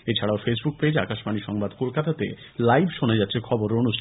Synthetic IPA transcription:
et͡ɕʰaɽaofesbuk̚ped͡ʑakaʃbaniʃɔŋbad̪kolkat̪at̪ḛ | lajbʱʃonad͡ʑatːɕʰekʰɔboɾeonuʃtʰ

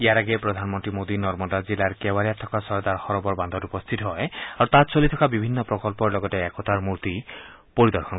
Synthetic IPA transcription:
ejaɾaɡepɾɔd̪ʱanmɔnt̪ɾimod̪inɔɾmɔd̪ad͡ʒilaɾkewaɾijat̪ʰːɔkasɔɾd̪aɾhɔɾɔbɔɾband̪ʱɔɾupɔst̪ʰit̪ɔɦɔeaɾut̪at͡ʃolit̪ʰɔkabibʱinːɔpɾɔkɔlpɔɾlɔɡɔteɛkʰɔt̪ʰaɾmuɾt̪i | poɾid̪ɔɾkʰɔnk

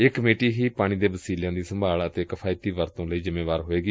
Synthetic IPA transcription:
ɪkmeːʈiːɦiːpaːɽ̃ĩːd̪eːbəsiːljãːd̪iːsəmbʱaːlət̪eːkpʰaːɪt̪iːʋəɾt̪õːləiːzɪmẽːʋaːɾɦoːeːɡiː

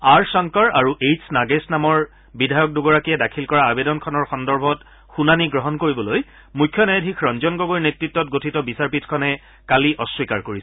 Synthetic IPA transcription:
aɹsɔŋkɔɹaɹuʔejsʰnaɡesnamɔɹ | bidʱajɔk̚duɡɔɹakiɛdakʰilkɔɹaːbedɔnkʰɔnɔɹxɔndɔɹbʱɔt | xunaniɡɹɔɦɔnkoɹibɔloj | mukʰːjɔnajadʱikʰɹɔnzɔnɡoɡojɹnetɹitːɔt̚ɡotʰitɔbisaɹpitʰkʰɔnɛ | kaliʔɔswikaɹkoɹisɛ

